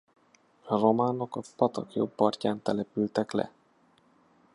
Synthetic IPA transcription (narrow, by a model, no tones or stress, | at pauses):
romaːno̞kɒpɒt̪ɒkjo̰bːɒrcaːnt̪ɛlɛpylt̪ɛklɛ̰